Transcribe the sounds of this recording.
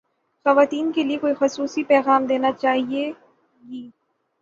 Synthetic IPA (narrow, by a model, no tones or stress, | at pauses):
xɐʋaːt̪iːnkeliekoːixʊsuːsipɛːɣaːmd̪eːnat͡ʃaːɦie | ɡiː